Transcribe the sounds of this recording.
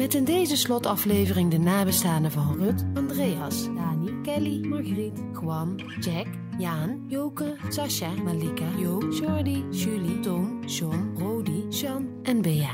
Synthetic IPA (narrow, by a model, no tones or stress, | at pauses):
mɛtɪndejzəslɔtɑflejvərɪŋdənaːbəstaːnəvɑnrɵtɑndrejɑsdaːnikɛlimɑɹɣərit | kwɑm | d͡ʒɛk | jaːnjowkəsɑʃamalikajowʃɔɹdiʒylitomʃɔnrowdiʃɑnʔɛnbeja